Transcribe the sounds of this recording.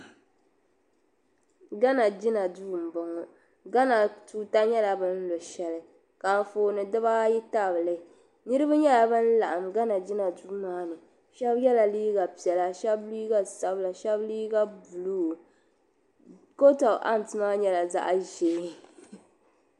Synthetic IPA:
ɡa˦na˨d͡ʒɪ˦na˨duː˦˨m̩˨bʊ˨ŋʊ˨ | ɡa˦na˨tuː˦ta˦ɲɛ˦la˨bɨ˦n̩˦lo˨ʃɛ˦lɨ˦ | ka˨n˨foː˨nɨ˨dɨ˦βa˦ji˦ta˦˨bɨ˨lɨ˨˦˨ | nɨ˦ɾɨ˦ba˦ɲɛ˦la˨bɨ˦n̩˦la˨ʔa˨mɡa˦na˨d͡ʒɪ˦na˨du˦maː˦nɨ˨ | ʃɛ˦bjɛ˦la˨liː˦ɡa˨pi˨ɛ˨la˨ʃɛ˦bli˦ɡa˦sa˦bla˨ʃɛ˦bliː˦ɡa˦bu˨lu˦˨ | ko˦ta˨ʔa˦n˨tɨ˦ma˦ɲɛ˦la˨za̰˦ʔa˦ʒeː˨˦˨

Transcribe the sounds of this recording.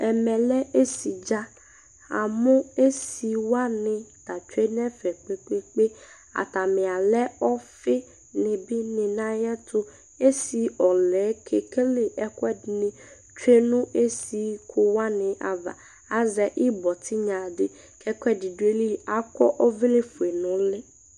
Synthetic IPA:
ɛ˨mɛ̃˨lɛ˦ʔe˦si˨d͡ʒa˦ | a̰˨mʊ̃˦e˦si˨wa˦nɪ̃˨ta˨t͡ʃᶣe˦nɛ˦fɛ˨k͡pe˨k͡pe˦k͡pe˦ | a̰˨ta˨mɪ̃˨a˨lɛ˦ɔ˦fɪ˦ | nɪ̃˨bɪ˦nɪ̃˨nã˦jɛ˦tʰʊ˦ | e˦si˨˦ɔ˨lɛː˨˦kʰe˨kʰe˦lɪ˨ʔɛ˦kʰɛ˦dɪ˨nɪ̃˦ | t͡ʃᶣe˦nʊ̃˦e˦si˦kʰʊ˦wa˦nɪ̃˨ʔa˨va̰˨ | a˨zɛ˨ʔɪ˦bɔ˨tʰɪ˦ɲã˨dɪ˨ | kʰɛ˦kʰʷɛ˦dɪ˨dʊ˨˦e˦li˦a˨kʰɔ̰˦ʔɔ˦vɪ˦lɪ˦fu˨e˨nʊ̃˦lɪ˦

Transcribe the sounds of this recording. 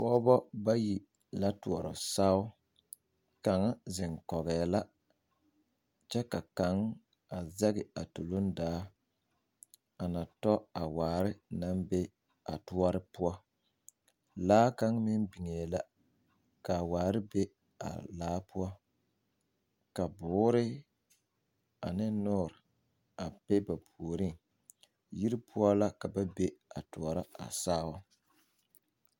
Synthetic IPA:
pɔː˦bɔ˦ba˦ji˨ | la˦tu˨ɔ˨ɾɔ̰˨sa˦ʊ˦ | ka˨ŋa˦zɪ˨ŋkɔ˨ɣɛː˨la˦ | t͡ʃɛ˦ka˨ka˨˦ŋ | a˨zɛ˦ɣɪ˨a˨tu˨lo˦ndaː˨˦ | a˨na˨tɔ˦a˨waː˨˦˨ɾɪ˦na˦mbe˦ | a̰˨tu˦ɔ˦ɾɪ˦pʊ˦ɔ˦ | laː˦ka˦ŋ˦mɪ˦nbi˨ŋe˨la˦ | ka˨waː˨ɾɪ˦be˦ | a̰˨laː˨˦pʰʊ˦ɔ˦ | ka˨bʊː˨˦ɾɪ˦ | a˨nɪ˦nʊː˦˨ɾɪ˨ | a˨pe˦ba˨pʰu˨o˨ɾi˦ŋ | ji˦ɾi˦pʰʊ˦ɔ˦la˦ka˨ba˦be˦a̰˨tʊ˨ɔ˨ɾa˦a̰˨saː˦wɔ˦

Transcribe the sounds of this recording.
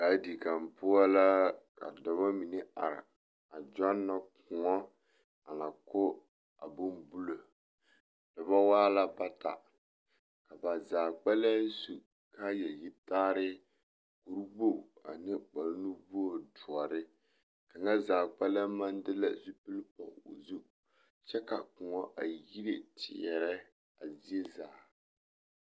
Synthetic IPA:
ka˨˦di˨ka˨mpʊ˦a˦la˦ka̰˨dɔ˨ba˦mi˨ne˦a̰˨ɾɪ̰˨ | a˨d͡ʒɔ˦nːa˦kʊ˨ŋɔ˦ | a˨na˨kʊ˦ | a˨bʊ˦mbu˦lo˨ | d̥ɨ˨ba˦waː˦la˦ba˦ta̰˨ | ka˨ba˨zaː˨k͡pɛ˦la˦n˦su˨ | ka˦jɛ˨ji˦taː˦ɾɪ˦ | ku˨ɾɡ͡bo˦˨a̰˨nɨ˦k͡pa˨lnu˦bu˦o˨dʊ˨ɔ˨ɾɪ˦ | ka˨ŋa˦zaː˨ɡ͡ba˦la˦ma˦ndɨ˦la˦zu˦pɨ˦lpɔ˨o̰˨zu˦ | t͡ʃɛ˦ka˨kʊ˨ŋɔ˦ʔa˨ji˦ɾe˨tʰɪ̰˨jɛ˨ɾɛ˦ | a˨zi˦ɛ˦zaː˨

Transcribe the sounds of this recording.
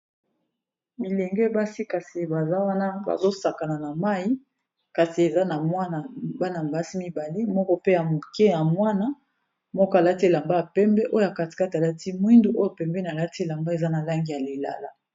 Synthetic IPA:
mi˨lɛ˨ŋɡɛ˦ba˦si˦ka˨si˨ba˨za˦wa˦na˦ba̰˨zo˦sa˨ka˨na˨na˨ma˦i˦ | ka˨si˨e˨za˦na˨mwa˦na˨ba˦na˨m˨ba˦si˦mi˦ba˨le˦mɔ˦kɔ˦pe˦ja˨mo˨kɛ˦ja˨mwa˦na˦ | mɔ˦kɔ˦a˨la˦te˦˨la˨mba˦ja˨pɛ˦mbɛ˦ʔo˦jo˦ja˨ka˨ti̥˨ka˦ta˨la˦ti˦mwi˦ndu˦ʔo˦jo˨pɛ˨mbɛ˦n˨a˨la˦te˦˨la˨mba˦e˨za˦na˨la˦ŋɡi˨ja˨le˨la̰˨la˦

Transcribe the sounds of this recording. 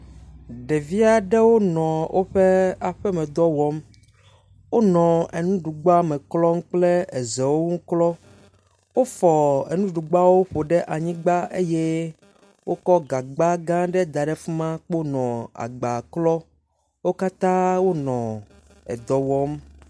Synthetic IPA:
ɖe˨vi˦a˦ɖe˦wo˦nɔ̃˨wʔo˦ɸe˦a˨ɸɛ˦mɛ̃˨d̪ɔ˦wɔ˦m | wo˦nɔ̃˨e˨nũ˦ɖu˨ɡ͡ba˦mẽ˨klɔ˦ŋ̩̃˦k͡ple˦e˨zɛ˨wo˦ŋũ˦klɔ˦ | wo˦fɔ˨ḛ˨nũ˦ɖu˨ɡ͡ba˦wo˦ɸo˨ɖe˦ʔa˨ɲĩ˦ɡ͡ba˦e˦je˦ | wʔo˦kɔ˦ɡa˨ɡ͡ba˦ɡã˦ɖe˦d̪a˨ɖɛ˦fi˦mã˦k͡po˦nɔ̃˨a̰˨ɡ͡ba˨klɔ˦ | wo˦ka˦t̪ã˦wo˦nɔ̃˨ | ḛ˨d̪ɔ˦wɔ˦m

